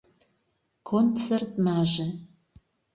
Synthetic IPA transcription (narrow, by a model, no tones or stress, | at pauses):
kʰont͡sert̪nɑːʒe